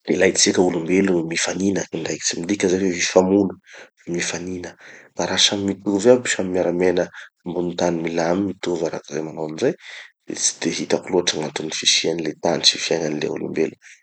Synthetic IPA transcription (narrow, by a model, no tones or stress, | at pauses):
ilajt͡sikʲəulumbelumifaninəiɳɖ͡ʐajki̥t͡simind̪ikʲəzawevifamulu̥vmifaninəb̥aɾaʃamimit̪uvapiʃamimiaɾamenə | mbunut̪animilamimit̪uvaɾa̰kazajmanawanizaj | ḛt͡si̥d̪̥eɦit̪akuluaʈ͡ʂaŋant̪unifiʃianilet̪ant͡ʃifiananilḛṵlṵmbelu